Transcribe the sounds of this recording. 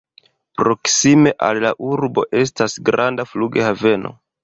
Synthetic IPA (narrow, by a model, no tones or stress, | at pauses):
pɾo̞ksime̞ʔa̰llaʔuɾbo̞̰ʔe̞s̬tasɡɾʔandafluɡe̞have̞no̞̰